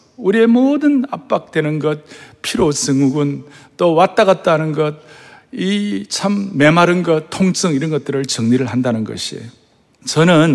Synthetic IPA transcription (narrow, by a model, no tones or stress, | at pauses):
uɾiemodɯnap̚p͈ak̚t͈we̞nɯnɡʌt̚pʰiɾosɯŋuɡɯnt͈owat͈aɣat̚t͈anɯnɡʌt̚ | it͡ɕʰamːe̞maɾɯnɡʌt̚tʰoŋs͈ɯŋiɾʌnɡʌt̚t͈ɯɾɯɭt͡ɕʌŋɲiɾɯɭɦandanɯnɡʌ̰ɕʰiḛ | t͡ɕʌnɯn